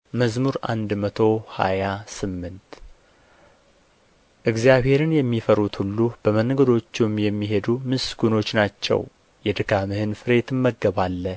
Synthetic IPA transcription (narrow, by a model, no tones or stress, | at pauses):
məzmuɾa̰nd̪mət̪ʰo̞ha̰jasɨmːɨnt̪ | ʔɨɡzijaβhe̞ɾɨnjɛmːifəɾut̪hulːub̥əmənɡəd̪o̞t͡ʃːumjɛmːiɦe̞d̪umɨsɡuno̞t͡ʃːnat͡ʃːɛ̰w | jɛd̪ɨkʰamɨhɨnfɨɾe̞t̪ɨmːəɡːəβalːə